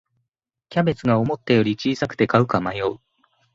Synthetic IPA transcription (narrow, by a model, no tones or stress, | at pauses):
kʲabe̞t͡sɨɡao̞mo̞t̪ːejo̞ɾʲit͡ɕiːsakɯ̥t̪e̞kaɯ̟kamajo̞ɯ